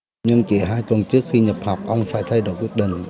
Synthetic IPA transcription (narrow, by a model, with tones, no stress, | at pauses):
ɲɨ˧ŋt͡ɕi˧˩ɦaː˧jt̪wə˨˩nt͡ɕɨ˦˥ək̚xi˧ɲə˨˩p̚hɔ˨˩wk͡p̚ʔə˧wŋ͡mfaː˧˩jt̪ʰa˧jɗo̰˧˩˦jkwi˦˥ət̚ɗḭ̈˧˨ŋ̟